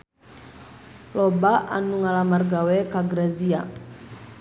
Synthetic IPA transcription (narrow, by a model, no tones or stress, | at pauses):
lɔbaʔa̰nuŋalamarɡawɛkaɡɾazia